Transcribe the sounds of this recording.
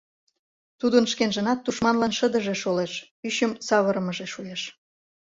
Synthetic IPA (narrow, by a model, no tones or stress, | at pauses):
t̪ud̪ənʃkenʒə̆nɑt̪ːuʃmɑnlɑnʃəd̪əʒeʃoleʃ | yɕəmsɑβəɾə̆məʒeʃujeʃ